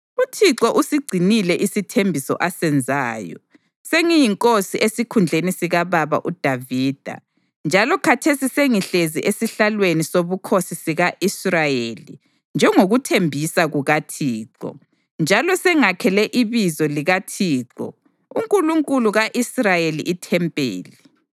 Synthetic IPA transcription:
utʰiǁɔʔusiɡ͡ǀʱinilɛʔisitʰembʱisɔ̰ʔasɛnd͡zʱaːjɔ̰ | seŋijiŋkʼosiesikʰund͡ɮʱenisiɣaβaβa̰ʔud̥ʱaviːd̥ʱa̰ | nd͡ʒʱalɔkʰatʰesiseŋiɬeziʔesiɬalwenisoβukʰosisiɣaʔisrajelḭ | nd͡ʒʱɛŋoɣutʰembʱisaɣuɣatʰiːǁɔ̰ | nd͡ʒʱalɔsɛŋakʰɛlɛʔiβizɔliɣatʰiːǃɔ̰ | uŋkʼuluŋkʼuluɣaʔisrajelḭʔitʰɛmpʼḛːlɛ

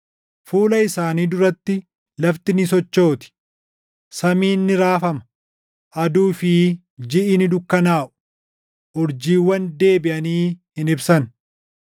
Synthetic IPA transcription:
fuːlɐɪsaːniːd̪ʊɾɐt̪ːɪ | lɐft̪ɪnɪs̬ɔt͡ʃːo̞ːt̪ɪ̥ | sɐmiːnːɪɾaːfɐmɐ̥ | ʔɐd̪uːfɪ | d͡ʒɪʔɪnɪd̪ʊkːɐnaːʔʊ̥ | ʔʊɾd͡ʒiːwːɐnd̪e̞ːbɪʔɐniːhɪnɪbsɐn

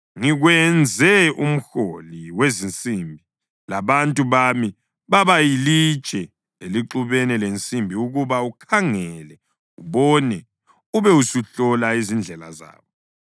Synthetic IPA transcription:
ŋiɣwɛnd͡zʱɛum̩xoliwezint͡sʼimbʱi | laβantʼuβami | βaβajili̥t͡ʃʼɛ | eliǁuβɛnɛlent͡sʼimbʱiuɣuβaukʰaŋɛlɛ | uβɔnɛ | uβɛusuɬɔlaizind͡ɮʱɛla̰za̰ːβɔ

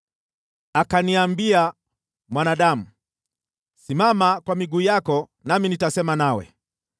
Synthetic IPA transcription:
akaniambia | mwanaɗamu | simamakwamiɡuːjakɔ | naminitasɛmanawɛ̰

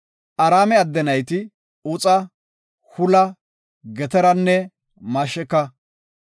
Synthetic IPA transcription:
ʔɐɾaːmɛɐd̪ːɛnɐjt̪ɪ | ʊt͡sʼɐ | hʊlɐ | ɡɛt̪ɛɾɐnːɛ | mɐʃɛkːɐ

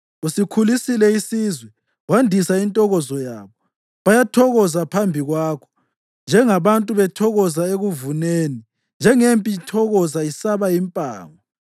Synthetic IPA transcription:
usikʰulisilɛisizwɛ | wandʱisaintʼɔɣɔzɔja̰ːβɔ | βajatʰɔɣɔzapʰambʱiɣwaːkʰɔ̥ | nd͡ʒʱɛŋaβantʼuβɛtʰɔɣɔzaeɣuvuneːni | nd͡ʒʱɛŋempʼitʰɔɣɔzaisaβaimpʼa̰ːŋɔ

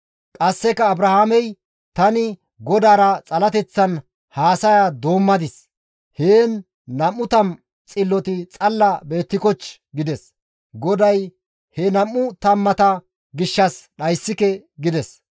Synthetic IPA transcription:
kʼɐsːɛkɐːbɾɐhamɛj | t̪ɐnɪ | ɡɔd̪aːɾɐt͡sʼɐlɐt̪ɛt͡sːɐn | haːsɐjad̪o̞ːmːɐd̪ɪs | heːnː | ɐmːʊt̪ɐm | t͡sʼɪlːɔt̪ɪt͡sʼɐlːɐbe̞ːt̪ːɪkɔt͡ʃ | ɡɪd̪ɛs | ɡɔd̪ɐj | hɛnɐmːʊt̪ɐmːɐt̪ɐ | ɡɪʃːɐsɗɐjsːɪkɛɡɪd̪ɛs

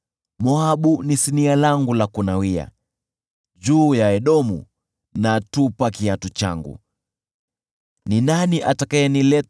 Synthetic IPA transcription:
mɔaɓunisinialaŋɡulakunawia̰ | d͡ʒuːjaɛɗɔmṵ | natupakiatut͡ʃa̰ŋɡṵ | ninaniʔatakajɛnilɛ

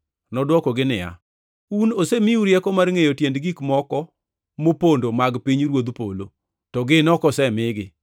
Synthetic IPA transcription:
nɔdwɔkɔɡɪnɪja̰ | unosemiuɾjɛkɔmarŋejotjendɡikmɔkɔ | mopondomaɡpiɲɾwod̪polo | tɔɡɪnɔkɔsɛmɪɡɪ

